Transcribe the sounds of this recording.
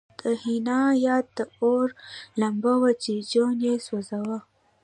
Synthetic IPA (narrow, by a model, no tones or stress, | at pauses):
d̪̥əhinɑjɑːd̪̚d̪əoɾlambawat͡ʃid͡ʒonjeswozawə